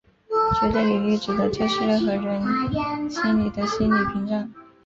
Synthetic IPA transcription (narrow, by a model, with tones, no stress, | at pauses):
ʈ͡ʂɛ˧˥t̪e˥˩ɪli˨˩y˥˩ʈ͡ʂ̩˨˩d̪ɤ˧˥t͡ɕʰɛ˥˧ʂʰɻ̩˥˧lə˥xɤ˧˥ɻə˧˥nɕi˥nli˨˩d̪ə˦ɕi˥nli˨˩pʰi˧˥ŋʈ͡ʂa˥˩n